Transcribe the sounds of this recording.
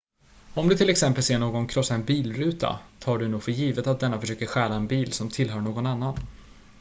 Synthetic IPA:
ɔmd̪ɵt̪ʰɪlːɛksɛmpəlseːɳoːɡɔnkʰɾɔsːaɛnbiːlɾʉ̟ːt̪ʰa̰t̪ʰɑːɖɵnuːɡfœɾjiːvət̪at̪̚d̪ɛnːafœʂøːkəɾɧæːlaɛnbiːlsɔmt̪ʰɪlɦœːɳoːɡɔnanːan

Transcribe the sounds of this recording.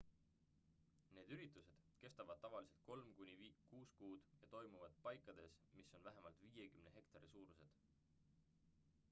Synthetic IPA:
ne̞ːd̪yɾit̪ːˑuse̞d̪̥ke̞st̪ɑvɑd̪̥̚t̪ɑvɑlise̞lt̪̚ko̞lmkunʲivkuːskuːd̪̥jɑt̪o̞jmuvɑd̪̥pɑjkˑːɑd̪̥e̞smisːo̞nvæɦe̞mɑlt̪ˑviːje̞kymne̞ɦe̞kt̪ɑɾisuːɾuse̞d̪̥

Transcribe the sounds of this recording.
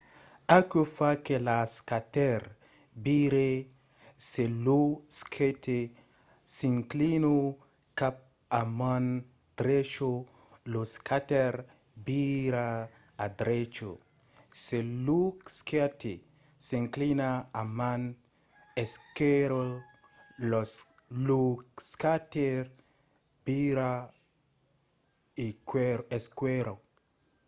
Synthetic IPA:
akofakelaskateɾ | biɾe | seluskʰetʰe | siŋklino | kap̚ | aman | d̪ɾet͡ʃo | loskateɾ | biɾaː | d̪ɾet͡ʃo̰ | seluksketi | seŋklinaaman | ɛskeɾo | lɔ | lukskateɾ | biɾa | ikeskweɾo

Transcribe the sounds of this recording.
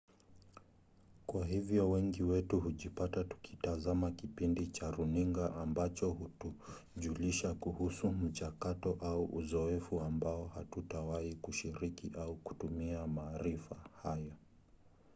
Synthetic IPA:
kwahivjɔwɛŋɡiwɛtuhuʄipatatu̥kʰi̥tazamakipindit͡ʃaɾuniŋɡaʔambat͡ʃɔhutuʄuliʃakuhusum̩t͡ʃakatɔʔauʔuzɔɛfuambaɔhatutawaikuʃiɾikiʔauku̥tumiamaːɾifahajɔ

